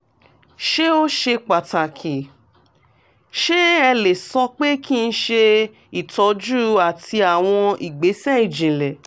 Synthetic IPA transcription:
ʃe˦o˦ʃe˧k͡pa˨ta˨kʰi˨ | ʃe˦ɛ˧le˨sɔ˧k͡pe˦ki˦˧n̩˦ʃe˧ | i˨tɔ˨˦d͡ʒu˦a˨tʰi˧a˨w̃ɔ̃˧i˨ɡ͡be˨˦sɛ˦i˨d͡ʒĩ˨lɛ˨

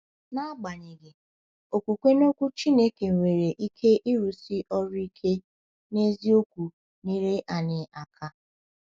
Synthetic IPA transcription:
na˦ɡ͡ba˨ɲɪ˨ɡɪ˨ | o˨kʷu˨kʷe˦no˦kʷu˦t͡ʃi˦ne˦ke˨ŋʷe˨ɾe˨ʔi˦kʰe˦ʔi˦ɾu˨si˦ʔɔ˦ɾʊ˦i˦kʰe˦ | ne˦zi˦o˦kʷu˨ | ni˦ɾɪ˦ʔa˨nɪ˨ʔa˨kʰa˦

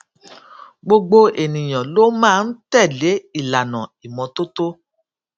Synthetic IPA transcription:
ɡ͡bo˧ɡ͡bo˧e˨nĩ˨j̃ɔ̃˨lo˦mãː˦˧n̩˦tɛ˦˨le˨˦i˦˨la˨nã˨i˨mɔ̃˨˧to˦to˦

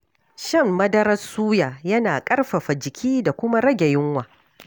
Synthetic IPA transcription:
ʃɐ˦˨mːɐ˦dɐ˦ɾɐ˦suː˦jaː˨jɐ˦naː˨kʼɐ˦rɸɐ˨ɸa˨d͡ʒɪ˨kʲʰiː˦da˨kʷʊ˦ma˦ɾɐ˦ɡʲe˨jɪ˦ŋwaː˨

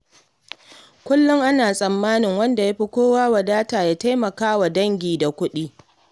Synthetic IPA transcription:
kʷʊ˦lːʊ˦ŋʔa˦naː˨sʼɐ˨mːaː˦nɪ˨ŋwɐ˦nda˨ja˦ɸi˦kʷoː˦waː˦wɐ˨daː˦taː˨jaː˦ta˦jmɐ˨kaː˦wa˨dɐ˦ŋɡʲiː˨da˨kʷʊ˦ɗiː˦

